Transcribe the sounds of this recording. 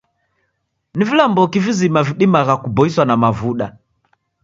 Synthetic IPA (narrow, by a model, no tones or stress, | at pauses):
nivilambɔkivizimaviɗimaɣakubɔiswanamavuɗa